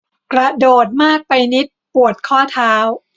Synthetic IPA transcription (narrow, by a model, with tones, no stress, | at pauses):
kɾa˧doː˨˩t̪̚maː˥˩k̚pa˧jni˦˥t̪̚pu˨˩ət̪̚kʰɔː˥˩t̪ʰaː˦˥w